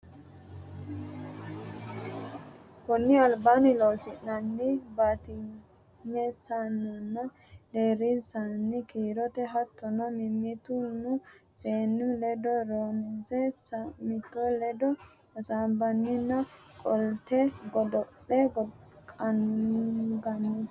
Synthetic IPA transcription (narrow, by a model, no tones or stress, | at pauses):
kɔnːɪɐlbaːnɪlowsɪnɐnːɪbat̪ɪ | ɲɛsanːʊnːɐ | d̪eːɾisanːɪkiːɾɔt̪ɛɦɐt̪ːɔnɐmɪmɪt̪ʊnːʊseːnːʊlɛd̪ɔɾoːnɪsɛsmɪt̪ːɔlɛd̪ɔ | ɐsaːbɐnːɪnːɐkʼɔlt̪ɛɡɔd̪ɔʔɛɡɔkʼɐn | ɡɐnːɪ